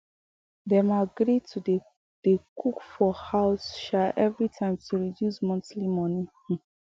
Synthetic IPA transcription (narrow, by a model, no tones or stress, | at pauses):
dɛmaɡɹitʰud | d̥ekʰukfɔhaʊsʃaʔɛvɹitʰãɪ̃mtʰuɹidjusmɔ̃ntlimɔ̃ni